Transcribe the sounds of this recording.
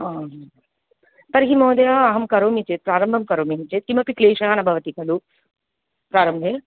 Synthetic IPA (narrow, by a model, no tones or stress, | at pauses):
aːɦ | p̪ɐɾɦimoːd̪ɐjaːɦɐmkɐɾoːmit͡ʃeːt̪̚pɾaːɾɐmbʱɐmkɐɾoːmiɦit͡ʃeːt̪t̪imɐpikleːʃɐjaːnɐbʱɐʋɐt̪ikɐlu | pɾaːɾɐmbʱeː